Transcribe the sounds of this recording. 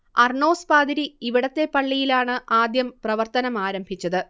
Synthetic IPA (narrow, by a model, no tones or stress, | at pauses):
ɐrɳo̞ːspaːd̪iɾiiʋiɽɐt̪ːe̞pɐɭːijilaːɳɨʔaːd̪jɐmprɐʋɐrt̪ɐnɐmaːɾɐmbʱit͡ɕːɐðɨ